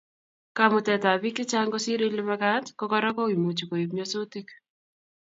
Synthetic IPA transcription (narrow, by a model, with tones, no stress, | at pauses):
ka˨mʊ˨tɛ˨ta˨bi˦kɪ˦t͡ʃa˦ŋɡɔ˦si˦ɾi˦lɪ˦ma˦ka˦tkɔ˦kɔ˦ɾa˦kɔ˦i˨mo˨t͡ʃi˨ko˨i˨pɲɔ˦so˦ti˦k